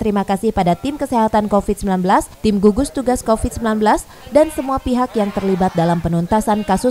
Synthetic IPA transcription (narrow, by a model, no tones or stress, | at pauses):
t̪əɾimakasɪhpadat̪ɪmkəseɦat̪ankofid̪̚səmbilanbəlast̪ɪmɡuɡʊst̪uɡaskofid̪̚səmbilanbəlas | dansəmuapiɦakjaŋt̪ərlibat̪̚dalampənunt̪asankasʊ